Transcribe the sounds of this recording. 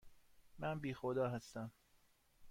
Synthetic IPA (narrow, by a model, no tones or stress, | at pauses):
mænbiːxod̪ɒːɦæst̪æm